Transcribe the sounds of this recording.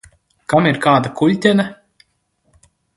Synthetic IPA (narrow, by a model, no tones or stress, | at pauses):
kamiɾkaːd̪akʰulʲt̪ʲɛna